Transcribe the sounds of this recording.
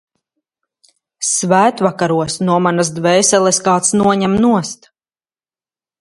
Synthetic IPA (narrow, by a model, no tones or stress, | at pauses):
svæːt̪vakaɾuɔsnuɔmanasd̪vɛjsɛlˠɛskaːt̪snuɔɲæmnuɔst̪